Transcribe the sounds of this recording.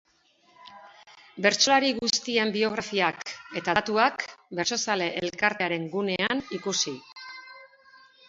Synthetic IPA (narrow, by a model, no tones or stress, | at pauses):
be̞ɾt͡ʃo̞laɾiɣust̪ie̞mbio̞ɣ̞ɾafiake̞t̪at̪uakbe̞ɾso̞sale̞ʔelkaɾt̪eaɾe̞ŋɡune̞anikusi